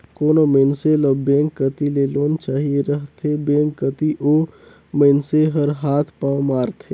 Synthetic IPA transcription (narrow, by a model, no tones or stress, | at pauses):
koːnoməɪnselɔːbẽːŋkːət̪ileːloːnt͡ʃaːɦieɾɐɦt̪ʰebẽːŋkːət̪iʔoː | məɪnseɦɐɾɦaːt̪ʰpãːmaːɾt̪ʰeː